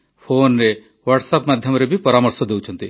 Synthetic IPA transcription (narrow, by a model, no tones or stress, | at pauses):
pʰonɾe | waʈsapmad̪ʱjɔmɾebʱipɔɾamɔɾsɔd̪ewt͡ʃʰɔnt̪i